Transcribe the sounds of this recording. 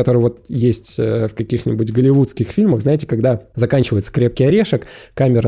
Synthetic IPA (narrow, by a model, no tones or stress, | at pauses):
ɐt̪o̞ɾɨjvo̞t̪jesʲtʲəfkɐkʲixnʲɪbutʲɡəlʲɪvut̪skʲɪxfʲilʲməxznaɪtʲɪ̥kɐɡd̪azɐkanʲt͡ɕɪvəjɪt̪sə̥kɾʲe̞p̚kʲɪjɐɾʲe̞ʂəkkamʲɪɾə